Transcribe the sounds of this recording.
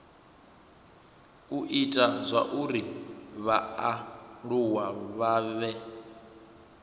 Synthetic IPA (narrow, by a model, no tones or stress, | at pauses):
uʔitʼazʷa̰ʔuɾiβaaɺuwaβaːβɛ